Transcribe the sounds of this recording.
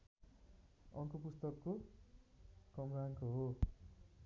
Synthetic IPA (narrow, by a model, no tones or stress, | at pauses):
ʌŋkʌpust̪ʌkːo | kʌmɾaŋkoɦo